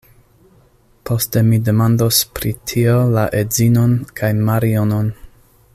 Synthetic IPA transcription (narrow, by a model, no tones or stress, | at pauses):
pʰo̞ste̞mide̞mandospɾitʰiolaʔezinonkʰajmaɾionon